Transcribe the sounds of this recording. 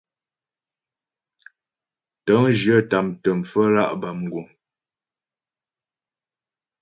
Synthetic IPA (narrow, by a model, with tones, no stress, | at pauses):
tə˨˦ŋd͡ʒjə˦˨ta˨mtə˨m̩˨fə˦la˦˨ʔba˨m̩˨ɡu˨ŋ